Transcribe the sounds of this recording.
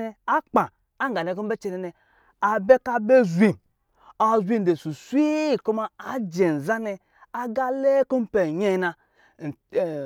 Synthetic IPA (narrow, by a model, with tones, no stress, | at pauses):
ɛ˧a˦k͡pa˨ | a˦ŋ˦ɡa˨le˨ko˦m˦be˦t͡ʃe˧ne˧nɛ˨ | a˨be˦ka˦be˦zʷi˨m | a˨zʷi˦m̩˨de˨su˨su˦i˦˨ko˦ma˨a˦d͡ʒe˨n̩˨za˦nɛ˧ | a˦ɡa˦le˦ko˦m̩˦pe˨ɲe˦˨na˧˨